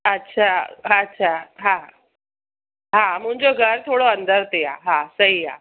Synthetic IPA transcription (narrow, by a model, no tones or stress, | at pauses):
ətːɕʰaətːɕʰaɦã | ɦãm̤ũɳd͡zoɡʱəɾt̪ʰoɽoənd̪ʱəɾt̪eja̰ɦãsəɦia̰